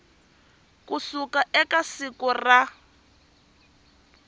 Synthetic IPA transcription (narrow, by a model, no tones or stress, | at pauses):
kusukaʔɛkasikɔra